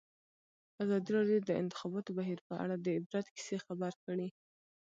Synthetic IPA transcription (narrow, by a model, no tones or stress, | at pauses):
azɑd̪iɾɑɖjod̪əɪ̰nt̪ɪ̥xɑbɑt̪obaɦiɾpəa̰ɽad̪əɪbɾat̪ki̥sexabaɾkəɽi